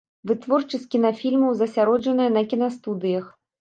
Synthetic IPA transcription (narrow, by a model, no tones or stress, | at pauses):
vɨt̪vɔrt͡ʂɨsʲtʲkʲinɐfʲilʲmɐwzɐsʲaɾɔd͡ʐɐnɨjɐnɐkʲinɐst̪ud̪ɨjɐx